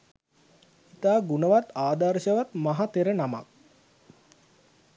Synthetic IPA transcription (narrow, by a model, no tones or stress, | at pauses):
it̪aːɡunəʋat̪aːd̪aɾʃəʋat̪maɦat̪eɾənama̰k̚